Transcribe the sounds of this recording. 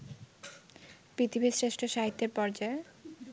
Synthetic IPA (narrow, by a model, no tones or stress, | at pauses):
pɾit̪ʰibʱisɾeʃʈʰoʃaɦit̪ːeɾpɔɾd͡ʑae